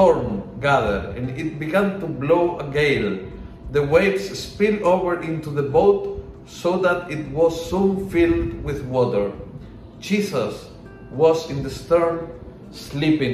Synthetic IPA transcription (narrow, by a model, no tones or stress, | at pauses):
ɔɹmɡaðə̰˞dɛ̃nit̪̚biɡæ̃nt̪ubloʔəɡeɪl | ðəweksspilovəɹʔɪ̃nt̪uðəboʊt̪ | soðat̪ɪt̪̚wɔzːũnfild̪wɪðwɔtə˞ | d͡ʒisas | wɔzɪ̃nd̪əst̪əɹm | slipɪ̃ŋ